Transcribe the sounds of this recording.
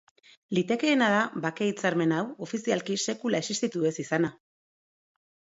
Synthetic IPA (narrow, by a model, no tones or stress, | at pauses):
lit̪e̞ke̞ːnað̞aβake̞it͡saɾme̞nawo̞fisialkise̞kulae̞sist̪it̪ue̞sisana